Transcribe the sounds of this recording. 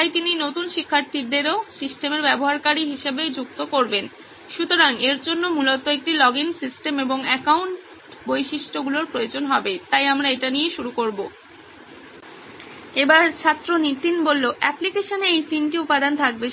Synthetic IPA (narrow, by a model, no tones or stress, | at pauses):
t̪ajt̪ininot̪unʃikʰːaɾt̪ʰiɾd̪eɾosisʈemeɾbɛboɦaɾkaɾiɦiʃebed͡ʑuk̚t̪okoɾben | ʃut̪oɾaŋeɾd͡ʑonːomulot̪oek̚ʈilɔɡiŋsisʈemeboŋɛkawɳʈ | bojʃiʃʈoɡuloɾpɾojod͡ʑonɦɔbet̪ajamɾaeʈanijeʃuɾukoɾbo | ebaɾt͡ɕʰat̪ːɾonit̪inbolːoʔɛplikeʃoneejt̪inʈiupːad̪ant̪ʰak̚be